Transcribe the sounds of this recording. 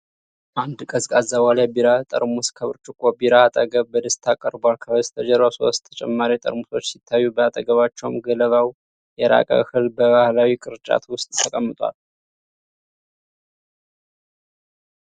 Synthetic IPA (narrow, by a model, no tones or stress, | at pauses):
and̪kʼəzkʼazːaβalabiɾat̪ʼə̰ɾmuskʰəβɨɾt͡ʃʼɪkʼobiɾaat̪ʼəɡəβbəd̪əst̪ʰakʼəɾbalkʰəβəst̪ʰəd͡ʒəɾβaso̞̰st̪t̪ʰə̥t͡ʃʼɛmːaɾit̪ʼə̰ɾmuso̞t͡ʃːsit̪ʰːajːubəat̪ʼəɡəβat͡ʃːɛwmɡələβaw | jɛɾa̰kʼə̰hɨlbəβahlawikʼɨɾt͡ʃʼa̰t̪ʰwʊst̪ʼt̪ʰəkʼəmːɨt̪ʼwa̰l